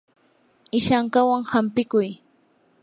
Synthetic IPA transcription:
ɪʃaŋkawaŋhampɪkʊj

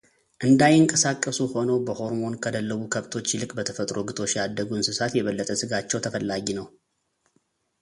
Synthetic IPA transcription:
ʔɨnd̪ajɨŋkʼəsakʼːəsuho̞nəwbəho̞ɾmo̞nkʰəd̪əlːəβukʰəβt̪ʰo̞t͡ʃːlɨkʼbət̪ʰəfət̪ʼɾo̞ɡɨt̪ʰo̞t͡ʃjad̪ːəɡuɨnsɨsat̪jɛβəlːət̪ʼəsɨɡat͡ʃːɛwt̪ʰəfəlːaɡinəw

